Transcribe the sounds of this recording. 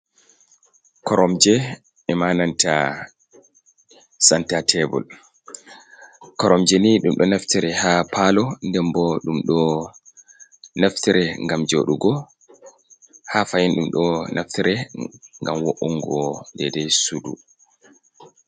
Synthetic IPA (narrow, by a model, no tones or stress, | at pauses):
kɔɾɔmd͡ʒɛ | ɛmananta | santatʰɛbɔ̰l | kɔɾɔmd͡ʒɛniɗumɗɔnaftiɾɛhapʰalɔndɛmbɔɗumɗɔ | naftiɾɛŋɡamd͡ʒoɗuɡɔ | hafajinɗumɗɔnʔaftiɾɛŋɡamwoʔuŋɡɔndɛdɛsudṵ